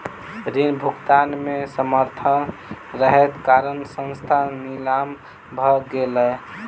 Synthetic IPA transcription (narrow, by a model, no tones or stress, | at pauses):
ɾinbʱukt̪anmesəməɾt̪ʰən | ɾəɦɛt̪kaɾənsə̃nst̪ʰanilam | bʱəɡeləj